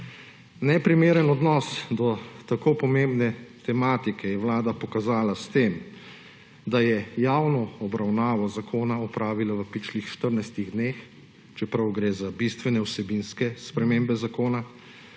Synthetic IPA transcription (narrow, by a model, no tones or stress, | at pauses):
nɛpɾimeːɾənɔd̪nɔsd̪ɔt̪akoːpɔmembnɛt̪ɛmaːt̪ikɛjɛʋlaːd̪apɔkazaːlast̪em | d̪ajɛjaːwnɔɔbɾawnaːʋɔzakʰoːnaɔpɾaːʋilaʋəpit͡ʃlixʃt̪əɾnajst̪iɣd̪neːx | t͡ʃɛpɾawɡɾeːzabist̪ʋɛnɛwsɛbinskɛspɾɛmeːmbɛzakoːna